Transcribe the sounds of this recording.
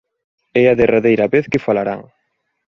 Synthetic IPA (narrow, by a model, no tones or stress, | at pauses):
ɛɐðeraðejɾɐβeθkɪfalaɾa̰ŋ